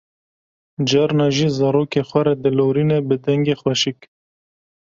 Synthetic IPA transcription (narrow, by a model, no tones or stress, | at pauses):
d͡ʒɑɾnɑːʒiːzɑːɾoːkexʷɛɾɛd̪ɨloːɾiːnebɨd̪ɛŋɡeːxwɛʃik